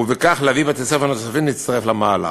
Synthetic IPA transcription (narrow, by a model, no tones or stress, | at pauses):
vekaχlavibat̪esafanat̪safimnit̪t͡st̪aʁeflamaːla̰